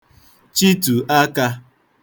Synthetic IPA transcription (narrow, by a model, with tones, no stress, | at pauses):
t͡ʃi˦tu˨ʔa˦ka˧